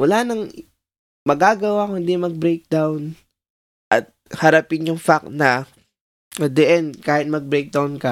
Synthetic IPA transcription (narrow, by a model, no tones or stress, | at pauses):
wɐlaːnɐŋ | mɐɡaːɡɐwakʊnd̪imɐɡ̚bɾejk̚d̪awn | ʔɐt̪̚hɐɾɐpɪɲjʊŋfak̚nɐ | ɐd̪ɛʔɛnd̪kaːhɪt̪̚mɐɡ̚bɾɛjk̚d̪awnkɐ